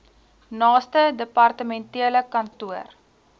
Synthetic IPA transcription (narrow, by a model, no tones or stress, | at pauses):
nɑːstədəpɐrtəmɛntiələkɐntuər